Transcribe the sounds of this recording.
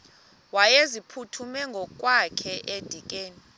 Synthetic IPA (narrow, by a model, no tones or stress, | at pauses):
wajezipʰutʰumɛŋɡʱɔkʼwakʰɛʔed̥ʱikʼeːni